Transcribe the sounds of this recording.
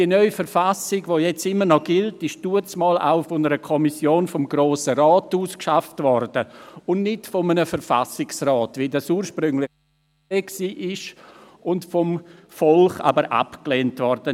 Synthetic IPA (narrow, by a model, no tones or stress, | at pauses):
d̥iənœʏfəɾfasɪɡvoːjɛt͡sɪmːənɔɡɪltɪʃd̥uət͡smɑːla̰ʊfʊnəɾəkʰɔmisjoːnfɔmɡɾoːsəɾɑːtuːskʃaftvɔɾd̥əʊnnɪtfɔmənəfəɾfa̰sɪksrɑːtʋɪdasuːɾʃpɾʏŋlɪ | eːksiːʔɪʃ | ʊntfɔm | fɔlχa̰bəɾʔa̰pkleːntvɔɾd̥ə